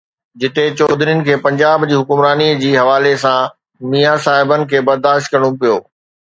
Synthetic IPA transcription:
d͡ʑɪt̪et͡ɕɔːd̪ʱɾijʊnɪ̆kʰeːpɐ̃ɲd͡ʑaːbd͡ʑiːɦʊkʊmɾaːniəd͡ʑiːɦɐʋaːlesã | miːjasaːɦɪbənɪ̆kʰeːbɐɾd̪aːʃt̪̚kɐɾəɽ̃õpijoː

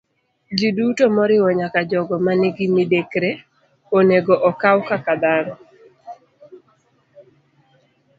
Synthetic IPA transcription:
d͡ʒidutomɔɾɪwɔɲakad͡ʒɔɡɔmanɛɡɪmidekɾe | oneɡɔʔɔkawkakad̪anɔ

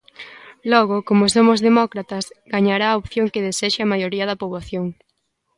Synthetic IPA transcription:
lɔɣokomosomʊzðemɔkɾat̪ɐsɡaɲaɾaːopθjoŋkeðeseʃɪɐmajoɾiɐðɐpoβlaθjoŋ

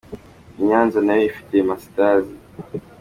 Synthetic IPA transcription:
ɲanzɔnaifi̥tɛmasi̥tazi

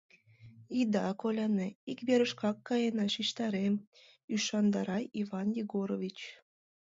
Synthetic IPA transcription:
id̪ɑkolʲɑneikβeɾəʃkɑkːɑjenɑʃiʃt̪ɑɾem | yʃɑnd̪ɑɾɑjivɑnjiɡoɾovʲit͡ɕ

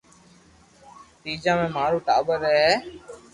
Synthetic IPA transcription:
t̪iːd͡ʒãːmẽːmaːɾuːʈaːbəɾɛeː

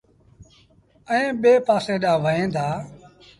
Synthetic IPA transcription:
əẽːɓeːpaːsẽːɗãːʋəẽːnd̪aː

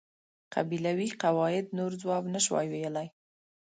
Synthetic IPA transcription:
qʰa̰bilawiqawɑjɪd̪noɾd͡zwɑbnəʃwɑ̰jwejəlaj

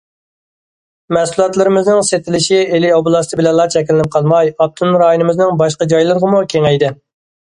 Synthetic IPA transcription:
mɛsulˠɑt̪lˠɨɾɪmɪznɪŋset̪ʰɪlɪʃielioblˠɑst̪ɪbɪlɛnlˠɑt͡ʃʰɛkʲilɪnɪp̚qʰɑlˠmɑjɑp̚t̪ʰunɾɑːjonɨmɪznɪŋbɑʃqɑd͡ʒɑjlˠɨɾʁəmukʲʰeŋɛjd̪ɪ

